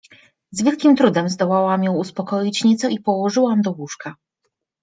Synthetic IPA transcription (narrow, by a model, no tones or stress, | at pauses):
zvʲjɛlkʲimt̪ɾud̪ɛmzd̪ɔwawamjɔ̃w̃uspɔkɔjit͡ɕɲɛt̪sɔipɔwɔʐɘwamd̪ɔwuʂka